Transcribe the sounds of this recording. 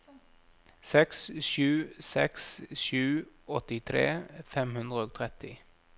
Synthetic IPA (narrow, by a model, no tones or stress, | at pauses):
sɛksʃʉːsɛksʃʉːʔɔt̪ɪt̪ʰɾḛːfɛmhʉnd̪ʁəoːt̪ʰʁɛt̪ɪ